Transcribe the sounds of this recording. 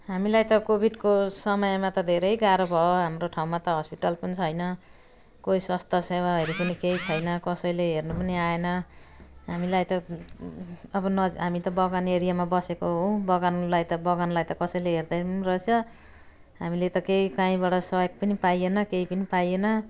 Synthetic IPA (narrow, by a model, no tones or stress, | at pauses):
ɦamilajt̪ʌkobʱiɖkosʌmʌjmat̪ʌd̪ʱeɾʌjɡaɾʌbʱʌoɦamroʈʰaw̃mat̪ʌɦʌspiʈʌlpʌnit͡sʰʌjnʌ | koiswʌst̪asewaɦʌjɾipʌnikejt͡sʰʌjnʌkʌsʌjleɦernupʌniaenʌ | ɦamilajt̪ʌ | ʌbʌnʌɦamit̪ʌbʌɡaneɾijamabʌsekoɦõw̃bʌɡanlajt̪ʌbʌɡanlajt̪ʌkʌsʌjleɦerd̪arʌsʰʌ | ɦamilet̪ʌkejkãĩbaɽʌsʌjoɡ̚pʌnipajenʌkejpʌnipajenʌ